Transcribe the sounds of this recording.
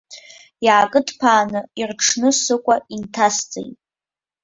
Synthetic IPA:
jaːkʼɨdʰpʰaːnɨirʈ͡ʂʰnɨsɨkʷʼaintʰast͡sʼḛjtʼ

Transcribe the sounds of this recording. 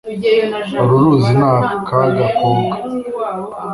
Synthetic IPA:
aɾuɾuːzinaːkaɡakoːŋɡa

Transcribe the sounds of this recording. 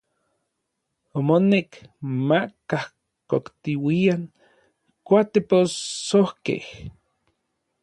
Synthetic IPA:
omonekmakah | kokt̪iwiaŋ | kʷat̪eposohkḛh

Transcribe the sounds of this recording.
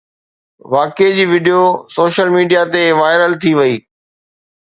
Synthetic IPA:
ʋaːked͡ʑiːʋɪɖijosoːʃəlmiːɖijat̪eʋaːɪɾəlt̪ʰiʋɐiː

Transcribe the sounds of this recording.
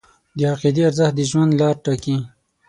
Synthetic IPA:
d̪əaqid̪iaɾzahd̪əʒwand̪lɑːɾʈaki

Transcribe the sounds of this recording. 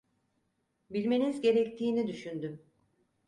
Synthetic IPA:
bilʲme̞nizɟe̞ɾɛct̪ʰiːnid̪yʃynd̪ym

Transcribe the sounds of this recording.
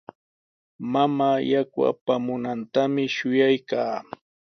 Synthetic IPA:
mamaːjakwa̰pamʊnant̪amɪʃʊjajkaː

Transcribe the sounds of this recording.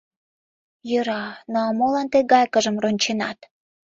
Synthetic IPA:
jəɾɑnoɑmolɑnt̪eɡɑjkə̆ʒə̆mronʲt͡ɕenɑt̪

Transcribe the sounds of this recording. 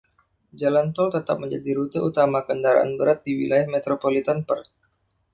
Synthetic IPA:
d͡ʒalant̪ɔlt̪ət̪ap̚məɲd͡ʒadiɾut̪əʔut̪amakəndaɾa̰ʔa̰nbəɾat̪̚diwḭlajahmet̪ɾopolit̪anpər

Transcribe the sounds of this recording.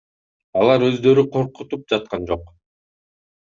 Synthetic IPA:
ɑlˠɑɾø̞zd̪ø̞ɾyqʰo̞ɾqut̪up̚d͡ʒɑt̪̚qɑnd͡ʒo̞q

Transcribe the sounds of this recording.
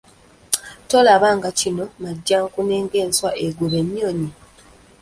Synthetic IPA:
to̞laβaːŋɡacino̞maɟːaŋkune̞ːŋɡeːnswaʔeɡuβe̞mjo̞ːɲi

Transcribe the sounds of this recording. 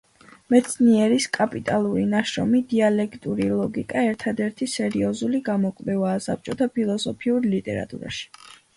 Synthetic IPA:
mɛt̪sʰniɛɾiskʼapʼit̪ʼalˠuɾinaʃɾɔ̰mid̪ialɛkʰt̪ʼuɾilˠɔɡikʼaɛɾt̪ʰad̪ɛɾt̪ʰisɛɾiɔzuliɡamɔkʼvɛvaːsap̚t͡ʃʼɔt̪ʰapʰilˠɔsɔpʰiuɾlit̪ʼɛ̰ɾa̰t̪ʼṵɾa̰ʃi̥

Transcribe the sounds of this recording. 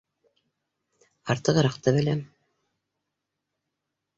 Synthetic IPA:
ɑɾt̪ɤʁɤɾɑqt̪ɤβɘ̆læm

